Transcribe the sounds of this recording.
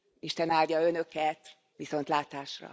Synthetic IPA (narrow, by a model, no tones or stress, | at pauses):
iʃt̪ɛnaːld̪ʲjɒø̞nø̞kɛt̪ | ʋiso̞nt̪laːt̪aːʃrɒ̰